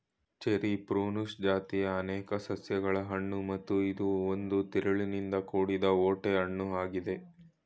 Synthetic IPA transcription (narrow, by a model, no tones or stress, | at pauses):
t͡ʃeɾipɾuːnusd͡ʒaːt̪ijɐːnɛːkɐsɐsjɐɡɐɭɐɦɐɳːumɐt̪ːuid̪uond̪ut̪iɾɐɭinind̪ɐkoːɽid̪ɐoːʈeɦɐɳːuaːɡid̪e̞